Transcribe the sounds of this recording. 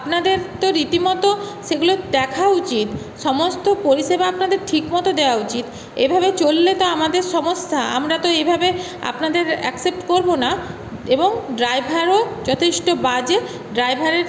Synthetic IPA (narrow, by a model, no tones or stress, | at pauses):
apnad̪eɾt̪oɾit̪imɔt̪oʃeɡulod̪ɛkʰaut͡ɕit̪ | ʃɔmost̪opoɾiʃebaapnad̪eɾʈʰikmɔt̪od̪eoaut͡ɕit̪ | ebʱabet͡ɕolːet̪oamad̪eɾʃɔmoʃtʰaa̰mɾat̪oejbʱabe | a̰pnad̪eɾɛ̰ksep̚ʈkoɾbona | eboŋɖɾajbʱaɾod͡ʑɔt̪ʰeʃʈobad͡ʑe | ɖɾajbʱaɾeɾ